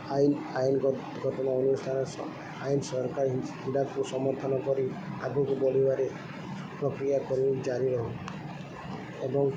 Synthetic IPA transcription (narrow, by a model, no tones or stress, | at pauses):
ajnajn | ɡʱɔʈɔnaonust̪ʰanɔs | ajnsɔɾkaɾhiɖakusɔmɔɾt̪ʰɔnɔkɔɾiaɡukubɔlibaɾe | pɾɔkɾijakɔɾid͡ʒaɾiɾɔɦu | ebɔŋ